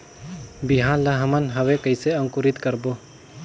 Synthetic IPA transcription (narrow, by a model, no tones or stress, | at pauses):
biɦãlaɦəmənɦəwekəjseɐ̃ŋkʊɾɪt̪kəɾbo